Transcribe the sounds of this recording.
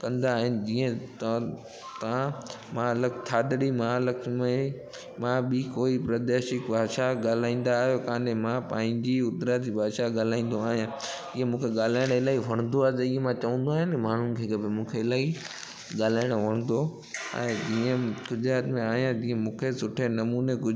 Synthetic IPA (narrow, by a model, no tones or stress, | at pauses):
kɐ̃nd̪aːɦɪnɪ̆d͡ʑiːə̃t̪ | t̪ã | mãːləkt̪ʰaːd̪ɽimaːləkʰmẽ | mãɓɪkoːipɾɐd̪eːʃɪkbaːʃaɡaːl̤aːĩːn̆d̪aːɦjokãːɗemãpãːɦɪ̃ɲd͡ʑiʊd̪ɾad̪ibaːʃaɠaːl̤aːĩːn̆d̪oaːɦijã | iːẽmũːkʰeɠaːlaːɪɽ̃ɪlaːiʋɐɽ̃nd̪oaːɦet̪ɐiːɦemãt͡ɕɐʋə̃n̆d̪oaːɦɪnmaːn̤unkʰekɐbɪmũːkʰeɪlaːi | ɠaːl̤aːɪɽ̃oʋɐɽ̃n̆d̪o | ɛ̰̃ːd͡ʑiːə̃ɡʊd͡ʑɾaːt̪mẽaːɦijãd͡ʑĩːə̃mũːkʰesʊʈʰenɐmuːneɡʊ